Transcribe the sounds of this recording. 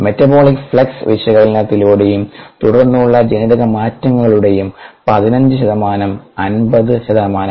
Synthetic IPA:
me̞tːɐbo̞ːɭikfɭɐksʋiʂjɐɣɐɭilinɐt̪ːiloːɽe̞jumt̪uɽɐrnːuɭːɐd͡ʑɐniðɐɣɐmaːtːɐŋːɐɣɐɭuɽe̞jumpɐðinɐɲd͡ʑɨɕɐðɐmaːnɐmɐnbɐðɨɕɐðɐɐmaːnɐmm

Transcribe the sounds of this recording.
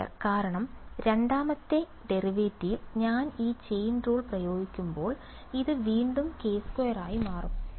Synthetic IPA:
ɐ̰rkaːɾɐɳɐmɾe̞ɳɖaːmɐt̪ːe̞ | ɖe̞riʋeːtːiɲaːniːt͡ɕe̞jnruːɭprɐjo̞ːɡikʲːumbo̞ːɭ | iðɨʋiːɳɖumke̞ːskojɐraːjimaːrum

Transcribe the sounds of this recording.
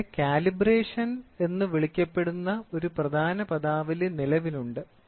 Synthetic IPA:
kaːlibreːʂɐne̞nːɨʋiɭikʲːɐpːe̞ɽunːɐo̞ɾuprɐd̪ʱaːnɐpɐd̪aːʋilenilɐʋiluɳɖɨ

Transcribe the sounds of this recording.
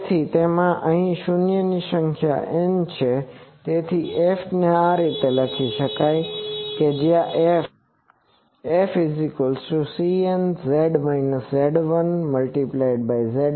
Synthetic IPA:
t̪ʰit̪emãʔəɦĩʃunjəniʃə̃ŋkʰja̰ʔent͡ʃʰet̪et̪ʰiʔefneaɾit̪eləkʰiʃəkajked͡ʒjãʔe | efizikəlsusiənzeɖmainəsːeɖʋənməlʈiplaɪɖ̚bajzeɖ

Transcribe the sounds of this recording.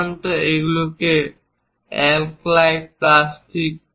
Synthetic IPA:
nt̪oeɡuloke | ḛlklajɖ̚plasʈʰik̚

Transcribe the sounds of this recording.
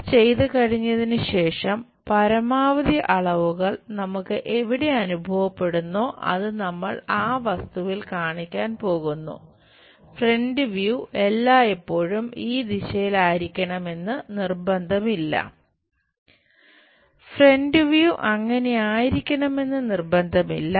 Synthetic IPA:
t͡ɕe̞jt̪ɨkɐɻiɲːɐðinɨɕe̞ːʂɐm | pɐɾɐmaːʋɐðjɐʔɐɭɐʋuɣɐɭnɐmukːɨʔe̞ʋiɽe̞ɐnubʱɐʋɐpːe̞ɽunːo̞ːʔɐ̰ðɨnɐmːɐɭaːʋɐst̪uʋilkaːɳikʲːaːnpo̞ːɣunːṵ | fre̞ɳɖɨʋjuʔe̞lːaːepːo̞ːɻumiːd̪iɕɐjilaːjiɾikʲːɐɳɐme̞nːɨnirbɐnd̪ʱɐmilːɐ̰ | fre̞ɳɖɨʋjuʔɐŋːɐne̞aːjiɾikʲːɐɳɐme̞nːɨnirbɐnd̪ʱɐmilːɐ

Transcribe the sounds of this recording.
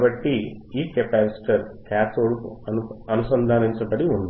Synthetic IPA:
bɐʈːiiːkepaːsi̥ʈɐɾkaːt̪oːɽukuɐɐnusɐnd̪ʱaːniɲt͡ʃɐbɐɽiuɳd̪i

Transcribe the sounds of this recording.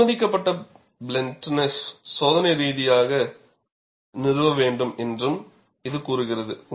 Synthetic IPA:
ɐðɪkːɐpːɐʈːɐ | bɪlɛnʈnɐssoːðɐnɐɪɾiːðɪjaːɣɐ | nɪrɯʋɐʋeːɳɖɯmɛndrɯm | ɪðɯkuːɾɯɣɪrɐðɯ

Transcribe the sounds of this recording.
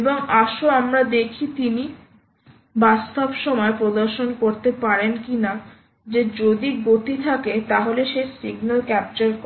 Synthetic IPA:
eboŋaʃoamɾad̪ekʰit̪ini | bast̪obʃɔmɔepɾod̪oɾʃonkoɾt̪epaɾenkina | d͡ʑed͡ʑod̪iɡot̪it̪ʰaket̪aɦoleʃesiɡnalkɛp̚t͡ɕoɾk

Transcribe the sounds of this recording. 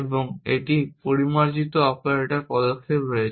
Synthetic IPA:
eboŋeʈipoɾimaɾd͡ʑit̪oapnaɾeʈaɾpɔd̪okʰːepɾojet͡ɕ

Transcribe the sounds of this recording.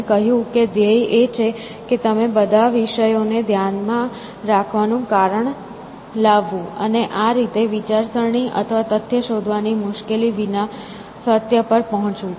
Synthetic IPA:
kəɦjũked̪eiʔet͡ʃʰe | ket̪əmebəd̪ʱaʋiʃəjoned̪ʱjanmã | ɾakʰʋanũkaɾəɳ | laʋːũəneʔaɾit̪eʋit͡ʃaɾsəɾɳ̃iʔə̰t̪ʰəʋat̪ət̪ʰjəʃod̪ʱʋanimʊʃkeliʋina | sət̪jəpəɾpəɦɔ̃t͡ʃũ

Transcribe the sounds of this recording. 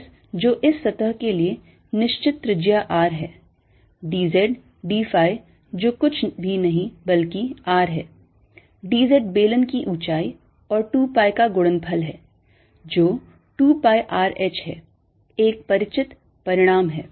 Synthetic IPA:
s | d͡ʒoːʔɪsːɐt̪əɦkelie | nɪʃt͡ʃɪt̪ːɾɪd͡ʒjaʔaːɾɦɛː | ɖiːzɛɖ | ɖiːfaːj | d͡ʒoːkʊt͡ʃʰbʱinɐɦĩbɐlkiaːɾɦɛː | ɖiːzɛːɖ̚beːlənkiʔuːt͡ʃaːi | ɔːɾʈuːpaːjkaɡʊɽənbʰʱɐlɦɛː | d͡ʒoː | ʈuːpaːjʔaːɾɛːt͡ʃɦɛ̰ː | eːk̚pɐɾɪt͡ʃɪt̪ | pɐɾɪɽ̃aːmɦɛː

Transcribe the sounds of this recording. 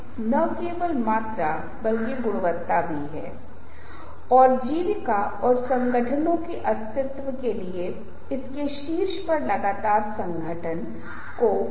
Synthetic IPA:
nɐkeːʋəlmaːt̪ɾa | bɐlkeɡʊɽʋət̪ːabʱiɦɛ̰ː | ɔːɾd͡ʒiːʋɪka | ɔːɾsɐ̃ŋɡəʈʰənõkeʔɐst̪ɪt̪ʋəkelie | ɪskeʃiːɾʃpɐɾlɐɡaːt̪aːɾsɐ̃ŋɡʱəʈʰən | ko

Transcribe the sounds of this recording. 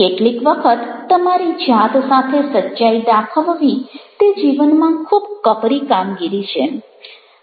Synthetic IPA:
keʈlikʋəkʰət̪ːəmaɾid͡ʒat̪sat̪ʰesətːʃaid̪akʰəʋʋit̪ed͡ʒiʋənmãkʰubkəpɾikamɡiɾit͡ʃʰḛ

